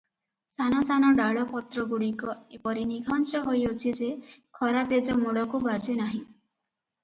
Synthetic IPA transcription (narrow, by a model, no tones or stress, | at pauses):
sanɔsanɔɖaɭɔpɔt̪ɾɔɡuɽikɔepɔɾiniɡʱɔnt͡ʃɔɦojot͡ʃʰid͡ʒekʰɔɾat̪ed͡ʒɔmuɽɔkubad͡ʒenaɦĩ